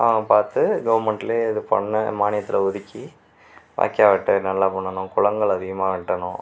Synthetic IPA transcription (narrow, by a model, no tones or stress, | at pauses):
a̰ɐpaːɾt̪ɯɡɐʋɐɾmɐɳʈɪleːɪðɯpɐ̰ɳːɐmaːnɪjɐt̪ːɪlɐʊðɪkːi | ʋa̰ːkːɪaːʋɪʈːɯnɐlːaːpɐɳːɐnʊ̃kʊɻɐŋɡɐɭɐðɪɣɐmaːʋɪʈːɐnʊ̃